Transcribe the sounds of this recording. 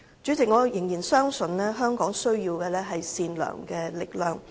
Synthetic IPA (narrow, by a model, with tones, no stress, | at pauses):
t͡ʃy˨˥t͡sɪ˨k̚ŋɔː˨˧jɪ˨˩ŋjiː˨˩nsœː˥ŋsɵ˨nlɛː˥ɦœː˥ŋkɔː˨˥ŋsɵ˥ɥjiː˧wkɛː˧lɛː˥ɦɐ˨jsiː˧nlœ̰ː˨˩ŋkɛː˧lɪ˨k̚lœː˨˩ŋ